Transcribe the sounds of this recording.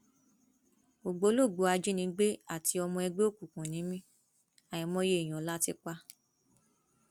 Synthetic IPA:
o˨ɡ͡bo˨˦lo˦˨ɡ͡bo˨˧˦a˧d͡ʒi˦nĩ˧˦ɡ͡be˦a˦˨ti˧ɔ˧mɔ̃˧ɛ˧ɡ͡be˦o˦˨ku˨kũ˨nĩ˨˦mĩ˦ | a˨j̃ĩ˧˦mɔ̃˦je˦i˨j̃ɔ̃˨˦la˦ti˧k͡pa˧˦

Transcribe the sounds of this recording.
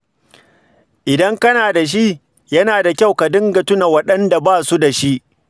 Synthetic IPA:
ʔɪ˨dɐ˦ŋkɐ˦naː˨da˨ʃ̬i˦ | jɐ˦naː˨da˨kʲa˦˨wka˨dɪ˦ŋɡa˨tʊ˦na˨wɐ˦ɗɐ˦nda˨baː˦˨su˦da˨ʃi˦ʔ

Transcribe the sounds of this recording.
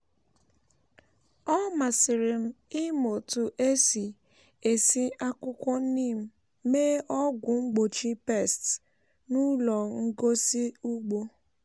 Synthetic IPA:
ɔ˦ma˨sɪ˨ɾɪ˨m̩˦ɪ˦mo˨tʊ˨ʔe˦si˨ | e˨si˦a˦kʊ˦kʷɔ˦niː˦˨m̩˦ | meː˦ʔɔ˦ɡʷʊ˨ŋ͡m̩˦ɡ͡bo˨t͡ʃi˦pe˦˨st | nu˦lɔ˨ŋ̩˦ɡo˦si˦u˦ɡ͡bo˦

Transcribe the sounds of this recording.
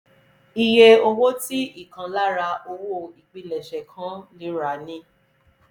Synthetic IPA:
i˧je˧o˧wo˦ti˦i˦˨kã˧la˦ɾa˧o˧wo˦˨i˨k͡pi˨˧lɛ˨ʃɛ˨kʰã˨˦lĩ˨˦ɾa˨˦nĩ˦

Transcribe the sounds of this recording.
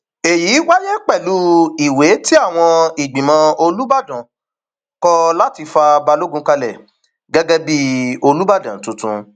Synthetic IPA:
e˨ji˨˦wa˦jɛ˦k͡pɛ˦˨lu˦i˨we˨˦ti˦a˦˨w̃ɔ̃˧i˨ɡ͡bĩ˨mã˧o˧lu˦ba˦˨dã˨ | kɔ˧la˦ti˧fa˧ba˧lo˦ɡũ˦ka˧lɛ˦˨ | ɡɛ˦ɡɛ˦bi˦o˧lu˦ba˦˨dã˨˦tũ˧tũ˧

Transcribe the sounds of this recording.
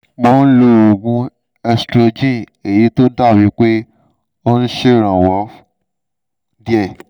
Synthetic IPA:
mɔ˦n̩˦lo˦˧˨o˨ɡũ˧˦ | ɛ˧stɾo˧d͡ʒĩ˦˨ | e˨ji˨˦to˦da˦˨wĩ˨˦k͡pe˦ | o˦ñ̩˦ʃe˦˨ɾ̃ã˨wa˨˦ | di˦ɛ˦˨

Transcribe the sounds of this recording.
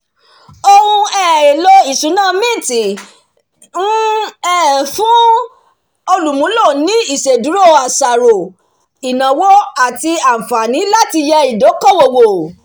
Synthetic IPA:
o˧hũ˧ɛ˦˨e˨lɔ˧i˨sũ˨˦nãː˦˨mĩ˦˨ti˨ | nũ˦ɛ˦fũ˨˦ | o˧lu˨mũ˨˦lo˦˨nĩ˨˦i˦˨ʃe˨du˨˦ɾo˦˨a˨sa˨ɾo˨ | i˨nã˨wɔ˦a˦˨ti˧a˨fa˨nĩ˨˦la˦ti˧jɛ˧i˨do˨˦kɔ˦˨wo˨wo˨

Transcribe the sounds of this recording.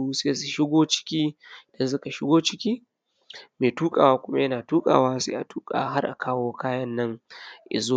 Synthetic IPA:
u˦seː˦su˨ʃɪ˦ɡʷoː˦t͡ʃɪ̥˦kʲiː˦˨dɐ˦ns̬ʊ˦ka˨ʃɪ˦ɡʷoː˦t͡ʃɪ˦kʲiː˦ | meː˨tuː˦kʼaː˨waː˦kʷʊ˦ma˦jɐ˦naː˨tuː˦kʼa̰ː˨waː˦sḛ˦ʔa˨tuː˦kʼa̰ː˨ɦa˦rʔa̰˨kʰaː˦woː˦kaː˦jɐ˦nːɐ˦ŋʔɪ̰˨zoː˦

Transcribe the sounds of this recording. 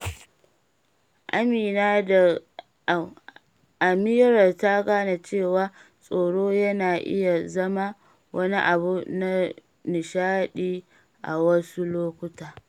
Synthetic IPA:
ʔa˦miː˨naː˦da˨ | ʔa˨mɪ˦jɾɐ˨rta˦ɡaː˦na˨t͡ʃeː˦˨waː˦sʼoː˨ɽoː˦jɐ˦naː˨ʔɪ̰˦ja˨zɐ˦ma˦ | wʔɐ˦ni˦ʔa˨bu˦na˦ | nɪ˨ʃaː˦ɗiː˦ | ʔa̰˨wɐ˦su˦loː˦kʷʊ˦taː˨

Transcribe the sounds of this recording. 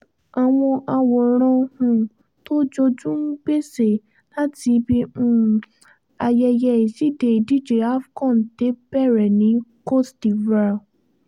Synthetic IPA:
a˨w̃ɔ̃˧ʔa˧wɔ˨ɾ̃ɔ̃˧hũ˧ | to˦d͡ʒo˧d͡ʒũ˦ŋ̩˦ɡ͡be˦se˨ | la˦ti˧bĩ˧˦ | a˧jɛ˧jɛ˧i˨si˨˦˨de˨i˨di˦˨d͡ʒe˨a˦fkɔ̃˦˨n̩˨te˨˦bɛ˦˨ɾɛ˨nĩ˨˦ko˦˨sdi˨vɾa˧

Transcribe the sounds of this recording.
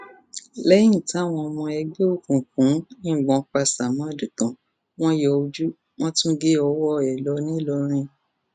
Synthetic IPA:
lɛ˦jĩ˦˨tã˨˦˨w̃ɔ̃˧ɔ˧mɔ̃˧ɛ˧ɡ͡be˦o˦˨kũ˨kũ˨˦nĩ˦˨ɡ͡bɔ̃˨˦k͡pa˧˨sa˨mã˨˦˨du˨tɔ̃˨ | w̃ɔ̃˦jɔ˧u˧d͡ʒu˦ | w̃ɔ̃˦tũ˦ɡe˦ɔ˧wɔ˦ɛ˨lɔ˧˦nĩ˦lɔ˧ɾ̃ĩ˧

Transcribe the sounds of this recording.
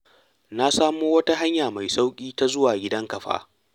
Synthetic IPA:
na˦saː˦moː˦wɐ˦ta˦ɦa˦ɲjaː˨ma˨jsa˦wkʲʼiː˦ta˦zʊ˦waː˨ɡʲɪ˦dɐ˦ŋkɐ˨ɸa̰ː˦

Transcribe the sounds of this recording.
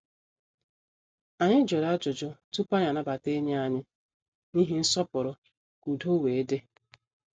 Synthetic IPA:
a˨ɲɪ˦d͡ʒɔ˨ɾa˦d͡ʒʊ˨d͡ʒɔ˦tu˦pa˦ɲa˨na˨ba˨te˦ɲe˦a˨ɲɪ˦ | ni˦ɦi˦n̩˦sɔ˦pʊ˨ɾʊ˨ | ku˨do˦we˨e˦de˦

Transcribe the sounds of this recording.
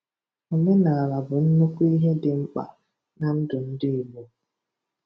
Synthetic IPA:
o˨me˦na˨a˨la˨bʊ˨n̩˦nu˦kʷu˦i˦ɦe˦dɪ˨m̩˦k͡pa̰˨ | na˨n̩˦dʊ˨n̩˦dɪ˦˨lo˦

